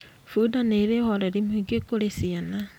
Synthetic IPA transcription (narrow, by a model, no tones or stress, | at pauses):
fuːdaneɾehɔɾɛɾimwiɡekoɾesiana